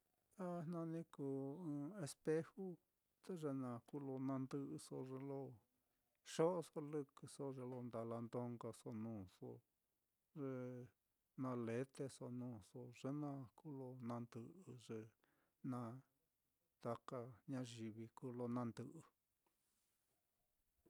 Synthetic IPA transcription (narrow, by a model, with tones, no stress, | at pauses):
t̪a˦nnã˧nĩ˦kuː˨˧ɨ̃ː˧˦e˧spe˦hu˦ | t̪e˦ʐe˧nã˧ku˦lo˧nã˧nd̪ɨ˧ʔɨ˧so˧ʐe˧lo˧ | ʂo˦ʔso˦lɨ˧kɨ˧so˧ʐe˧lo˧nd̪a˧la˧nd̪o˧ŋɡa˧so˧nũː˧˨so̰˧ | ʐe˧ | nã˧le˦t̪e˧so˧nũː˦so˧ʐe˦nã˦˧ku˦lo˧nã˧nd̪ɨ˧ʔɨ˧ʐe˧ | nã˧ | t̪a˧ka˧ɲã˧ʒi˧βi˧kuː˧lo˧nã˧nd̪ɨ˧ʔɨ˧